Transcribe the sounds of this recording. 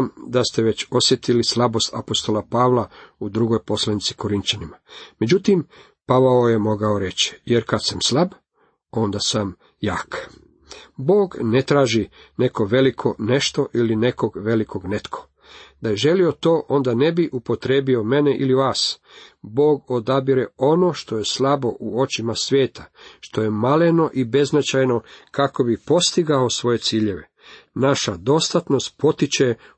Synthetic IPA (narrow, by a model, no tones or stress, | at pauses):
md̪ast̪e̞ʋe̞t͡ɕo̞sjet̪ilislˠabo̞st̪apo̞st̪o̞lapaːʋlˠaud̪ɾuɡo̞jpo̞slanit̪si̥ko̞ɾint͡ɕanimame̞d͡ʑut̪im | paʋaoje̞mo̞ɡaoɾe̞t͡ɕi̥jeɾkad̪samslab | o̞nd̪asam | jaːk | bo̞ːɡnet̪ɾaːʒi | ne̞ko̞ʋe̞likʰo̞ne̞ʃt̪o̞ʔiline̞ko̞ɡʋe̞likʰo̞ɡnet̪kʰo̥ | d̪aje̞ʒelio̞t̪o̞ːʔo̞nd̪ane̞biʔupo̞t̪ɾeːbio̞me̞neʔiliʋaːsbo̞ːɡo̞d̪abiɾeo̞no̞ʃt̪o̞jeslabo̞ʔuo̞t͡ɕimasʋʲje̞ːt̪ʰaʃt̪o̞je̞maleno̞ʔibe̞znat͡ɕajno̞kako̞bipo̞st̪iɡaosʋo̞je̞t̪siːʎe̞ʋe | naʃad̪o̞st̪at̪no̞st̪po̞t̪it͡ɕe